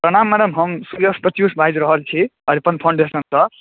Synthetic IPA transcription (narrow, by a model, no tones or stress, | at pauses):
pɾʌɽ̃amːaɽʌmɦʌmsuɾjʌspɾʌt̪jusbʱajd͡ʒɾʌɦʌlt͡sʰiʌɾipʌnpʰaw̃ɳɖesʌntʌ